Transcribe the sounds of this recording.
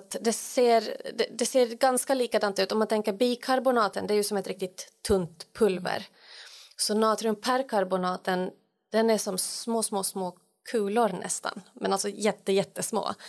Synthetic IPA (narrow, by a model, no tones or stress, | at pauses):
t̪d̪ɛseːɾd̪ɛd̪ɛseːɾɡanskaliːkad̪ant̪ʉːt̪ɔmant̪ʰɛŋkːəɾbiːkʰaɾbʊnɑːt̪ənd̪ɛæɾjɵsɔmɛt̪ɾɪkt̪ɪt̪ʰːɵnt̪pʰːɵlvə̰ɾ | sɔnɑːt̪ɾɵmpʰæɾkʰaɾbʊnɑːt̪ən | d̪̥ɛnæʂɔmmoːsmoːsmoː | kʰʉ̟ːlʊɾnʔɛ̰st̪ʰa̰nmɛ̰nalsɔjɛt̪ːəjɛt̪ːəsmo̰ː